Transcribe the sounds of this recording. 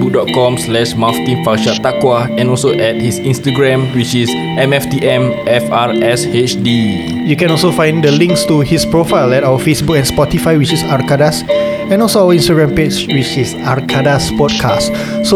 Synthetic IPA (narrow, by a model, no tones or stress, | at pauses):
buk̚dɔt̚kɔ̃mslɛʃmaftĩnfaʃat̪akwaɛ̃nɔlsoʔɛt̚hisĩnstaɡɹɛ̃mwit͡ʃis | ɛ̃mɛftiʔɛ̃mɛfaɹɛshet͡ʃdi | jukɛ̃nɔlsofãj̃ndəlĩŋkstuhispɹofaɪlɛtawəfesbukɛ̃nspɔtifajwit͡ʃisaɹkadas | ɛ̃nɔlsoawəĩnstaɡɹɛ̃mped͡ʒwit͡ʃisaɹkʰadaspɔd̚kʰast | so